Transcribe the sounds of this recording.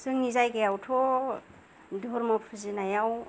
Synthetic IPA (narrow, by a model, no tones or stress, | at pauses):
sɯŋnizajɡajawtʰɔ | dʱoɾmɔpʰuzinajaw